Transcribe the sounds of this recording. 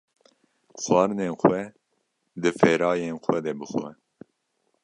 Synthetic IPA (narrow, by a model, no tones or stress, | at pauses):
xwɑːɾɨneːnxʷwɛ | d̪ɨfɛːɾɑːjeːnxʷɛd̪ɛbɨxɛ̰